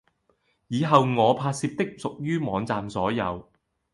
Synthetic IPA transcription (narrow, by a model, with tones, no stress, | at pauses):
jiː˨˧ɦɐ˨wŋɔː˨˧pʰaː˧t̚siː˧p̚t̪ɪ˥k̚sʊ˨k̚jyː˥mɔː˨˧ŋt͡saː˨msɔː˨˥jɐ̰˨˧w